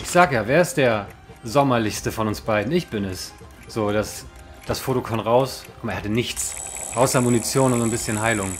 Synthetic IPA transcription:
ʔɪçz̥aːɡəjaːveːɐɪstd̥eːɐzɔmɐlɪçstəfɔnʊnsb̥aɪdn̩ɪçb̥ɪnɛs | z̥oːd̥as | d̥asfoːtokʰɔnʁaʊskʰʊmeɐhatənɪçt͡sʔaʊsɐmunit͡sjoːnʊntːnbɪsçənɦaɪlʊŋ

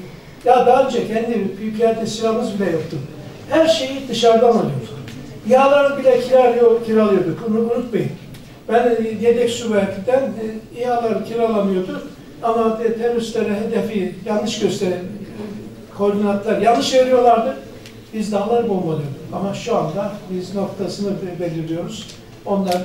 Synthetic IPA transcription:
jad̪aːønd͡ʒɛcʰɛnd̪ibyjykʰilæɾt̪ʰɛsilaɾmazbilʲɛjo̞k̚t̪uɾ | hæɾʃe̞jid̪ɯʃaɾd̪analˠɯjod̪u̥iɦalˠaɾɯnbilʲɛcʰiɾʲljocʰiɾɛalˠɯjod̪ukunubuɾut̪majɯn | b̥ænjed̪ɛcsuvæɾt̪ʰʲid̪ænijalˠaɾɯcʰiɾaalˠamɯjo̞ɾd̪uɾ | amat̪ʰemyslʲeɾɛɦed̪ɛfijanːɯʃɟø̞st̪ʰeɾin | kʰo̞ɾd̪inant̪lˠaɾjanːɯʃveɾʲijo̞lˠaɾd̪ɯ | bizd̪aːlˠaɾɯbomalˠɯjo̞d̪ukamaʃuand̪abizno̞kt̪ʰasɯnɯbe̞lʲiɾlʲijo̞ɾuz̥ | o̞nlˠaɾ

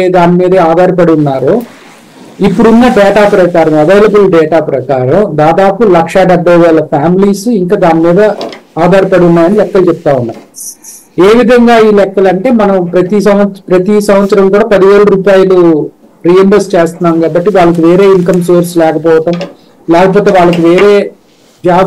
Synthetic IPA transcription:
d̪aːnimiːd̪ɐaːd̪aːɾɐp̬ɐɽuunːaːɾoː | ipːuɽunːaːɖɛːʈaːpɾɐkaːɾɐmɐʋejlɐbulɖɛːʈaːpɾɐkaːɾɐmd̪aːd̪aːpulɐkʂɐɖɛbːɐjʋɛːlːɐpʰaːmiliːsiŋkaːd̪aːnimiːd̪ɐaːd̪aːɾɐpɐɽunːaːjɐnilɛkːɐlt͡ʃɛp̚t̪aːunːa̰ːju | eːʋid̪ʱɐŋɡaːiːlɛkːɐlɐɳʈe̞ːmɐnɐmpɾɐt̪isɐmʋɐpɾɐt̪isɐmʋɐt̪sɐɾɐmkuːɽaːpɐd̪iʋe̞ːɭɐɾuːpaːjɐlu | ɾijembɐst͡ʃeːst̪unːaːmkaːbɐʈːiʋaːɭːɐk̬uʋe̞ːɾe̞ːiŋkɐmsoːɾslɛːkɐpɔːʋɐʈɐm | lɛːkɐp̬ɔːt̪e̞ːʋaːɭːɐk̬uʋeːɾe̞ː | d͡ʒaː

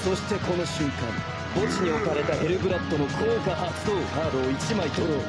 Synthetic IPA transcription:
so̞ɕi̥t̪e̞ko̞no̞ɕɨ̃ŋkã̰m | bo̞t͡ɕiɲ̟io̞kaɾe̞t̪ahe̞ɾɯ̟ɡɯ̟ɾat̪ːo̞no̞kʰoːkaʔḁ | oːhaːɾoːit͡ɕimait̪oɾo

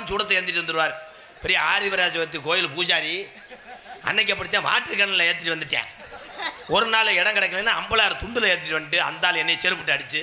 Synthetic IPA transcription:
t͡ʃuːɽɐt̪ːɐeːɾnd̪ɪʈ̬ːɾɯnd̪ɯɾɯʋaːɾ | pɛɾijɐaːɾiʋɐɾjaːt͡ʃuːɽɐt̪̬ːikoːjɪlpuːd͡ʒaːɾi | ɐ̰nːɛk̬ːɛp̬ːɐɽɯt̪ːãːʋa̰ːʈrɯkːɐɳɐllɐɛːt̪ːɪʈiʋɐnd̪ɯʈːã̰ː | ɔɾɯnaːlɛɽɐ̃ŋkɐɽɐkːɐlenːaɐmbɐɭaːɾɯt̪ʊnd̪ɯlɛːɐt̪̬ːɪʈːiʋɐnːʈːɯɐ̰nd̪aːlɛnːɐt͡ʃɛɾɯpːɯʈːɯɐɽɯt͡ʃːɯ

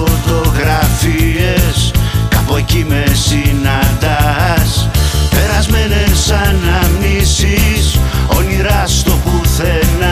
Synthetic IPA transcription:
ot̪o̞ɣɾɐfie̞skɐpoecime̞sinɐnd̪ɐspe̞ɾɐzme̞ne̞sɐnɐmnisiso̞niɾɐst̪o̞puθe̞nɐ

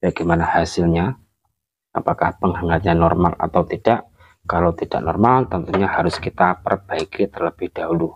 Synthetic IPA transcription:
b̥aɡamanahasɪlɲa | apakahpəŋhaŋat̪̚ɲanɔrmala̰t̪awt̪id̥aʔ | kalawt̪id̥a̰ʔnɔrmalt̪ənt̪uɲahaɾʊskit̪apərb̥aikit̪ərləb̥ɪhd̥aɦulu

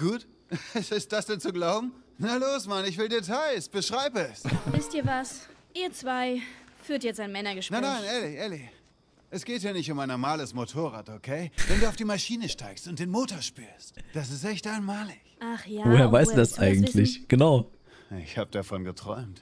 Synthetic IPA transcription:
ɡ̥uːt | ɛsɪst̚d̥asd̥ɛnt͡suɡlaʊbm̩naloːsmaənɪçv̥ɪldeːtʰaɪsb̥əʃʁ̥aɪbəɛsvɪstiːɐvasʔiːɐt͡sv̥aɪfyːɐtjɛt͡staɪnmɛnɐɡəʃnaɪnaɪnɛɐliçʔɛɐli | ʔɛsɡ̥eːthiːɐnɪçtʊmaɪnɔmaːləsmotʰoːʁ̞a̰ːtokʰeɪvɛnduːaʊd̥iːmaʃiːnəʃtaɪkstʊnt̚d̥eːnmoːtoɐʃpyːɐstd̥as̬ɪstʔɛçtʔaɪnmaːlɪçaχjavoːheːɐvaɪstuːdasʔaɪɡŋ̩tʰlɪçɡ̥ənaʊ | ʔɪ̰çhaːbəd̥afɔnɡətʁ̥ɔ̰ʏmt

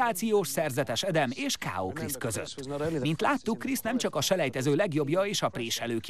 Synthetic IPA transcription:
aːt̪sijoːʃsɛrzɛt̪ɛʃɛd̪ɛmeːʃka̰ːo̰ːkriskø̞zø̰t̪ːmint̪laːt̪ːukːrisnɛmt͡ʃɒkɒʃɛlɛjt̪ɛzøːlɛɡjo̞bjɒeːʃɒpreːʃɛløːk

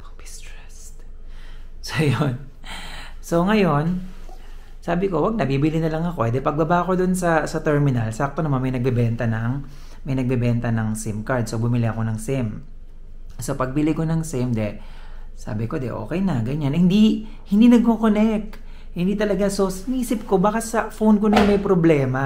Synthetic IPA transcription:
pɐbɪst̪ɹɛst̪ | sojon | so̞ŋɐjo̞n | saːbɪko̞wɐɡ̚nɐbiːbɪlɪnɐlɐŋɐko̞ʔɛd̪ɛpɐɡ̚bɐbaʔko̞d̪ʊnsɐsɐt̪ɛɹmɪnɐlsak̚t̪onɐmanmɐjnɐɡ̚bɛbɛnt̪ɐnɐŋ | mɐjnɐɡ̚bɛbɛnt̪ɐnɐŋsɪmkaɹd̪̚sobʊmɪlɪʔɐko̞nɐŋsɪm | so̞pɐɡ̚bɪlɪko̞nɐŋsɪmd̪ɛ | sa̰ːbɪko̞d̪ɛ̰ʔo̞̰ːkɛjnɐɡɐɲanhɪnd̪i | hɪnd̪iːnɐɡ̚kokonɛk | hɪnd̪iːt̪ɐlɐɡaso̞sɪniːsɪp̚ko̞baːkɐsɐfownkonɐjonmɐjpɾoblɛːma

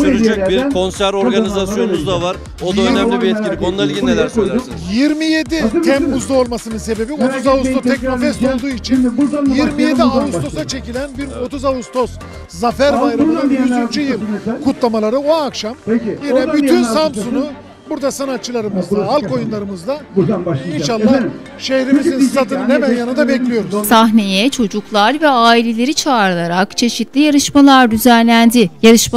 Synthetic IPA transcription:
yt͡ʃɛbiɾkʰo̞nsæɾo̞ɾɡanizasjo̞nuzd̪avaɾ | o̞d̪aønæmlʲibiɛt̪̚cilʲiko̞nnailʲɟinelʲæɾsojlʲˠsɯjiɾmije̞d̪it̪ʰɛmbuzlˠao̞lˠmasɯnɯnse̞be̞bio̞t̪uzaust̪ʰot̪ʰɛc̚mofɛst̪o̞lˠd̪uːit͡ʃʰinjiɾmijje̞d̪iaust̪ʰo̞sat͡ʃʰe̞cilʲænbiɾo̞t̪uzaust̪ʰo̞s | zafæɾvajɾayyt͡ʃyjɯlkʰut̪lˠamalˠaɾɯoakʃamejinɛbyynssampsunu | buɾd̪asanat̪̚t͡ʃʰːɯlˠaɾɯmɯzd̪aalˠko̞junlˠaɾɯmɯzd̪auaainʃalˠːa | ʃehɾimizint̪at̪ɯnhemænjanɯnd̪abɛclʲijo̞ɾzsaɦne̞jɛt͡ʃʰo̞d͡ʒuklˠaɾvɛaːilʲe̞lʲe̞ɾit͡ʃʰaːɾlˠaɾakt͡ʃʰe̞ʃit̪lʲijaɾɯʃmalˠaɾd̪yzænlʲænd̪ijaɾɯʃm

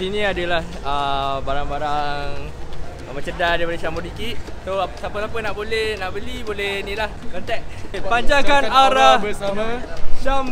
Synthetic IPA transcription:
inĩadəlah | əbaɾaŋbaɾaŋŋ | mə̃t͡ʃədadaipadəʃamodikiʔsosapəsapənaʔbolɛhnaʔbəlibolɛnĩlahkɔnt̪ɛʔpaɲd͡ʒakanaɾabəsamaʃam

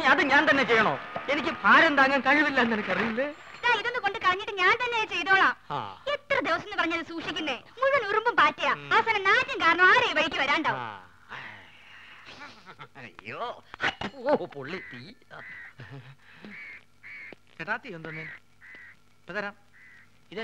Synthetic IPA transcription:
aːt̪ɨɲaːnt̪ɐnːe̞t͡ɕejːɐɳoːenikʲːɨpʰaːɾend̪aːŋːɐmkɐɻuʋilːɐenːenɐkːɐrijulːeiðaːiðo̞nːɨko̞ɳɖɨkɐrɐɲːiʈːɨɲaːnt̪ɐnːe̞t͡ɕe̞jt̪oːɭaːa̰ːet̪ːrɐd̪eʋɐsɐmenːɨpɐrɐɲːaːlsuːkʂikʲːunːeːmuɻunurumbumpaːtːijaːasɐnɐmnaːtjɐmkaːɾɐɳɐmaːɾejʋɐɻikʲːɨʋɐɾaːɳɖaːʋ̰m | jːoɐtːopoɭːit̪i | t͡ɕeʈaːt̪ːiond̪onːe | pːɐt̪ɐɾaːm | iðe

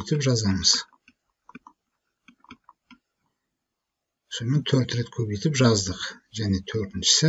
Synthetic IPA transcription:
jt̪ɪpʒɑzɑməz̥ | sonment̪ʰɵɾt̪ɾe̞t̪kʲʰɵβejt̪ɪpʒɑzd̪əqʒæne̞t̪ʰɵɾt̪ɪnʃɪ̥sɪ

